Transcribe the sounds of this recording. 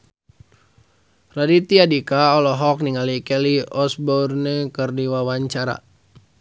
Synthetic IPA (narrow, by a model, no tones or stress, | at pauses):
radit̪iadikaɔlɔɦɔk̚niŋalikɛliɔsbɔrnɛkərdiwawaɲt͡ʃaɾa̰